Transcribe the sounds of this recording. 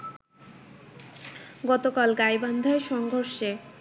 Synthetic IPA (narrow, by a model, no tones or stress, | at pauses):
ɡɔt̪okalɡajband̪ʱaeʃɔŋɡʱoɾʃe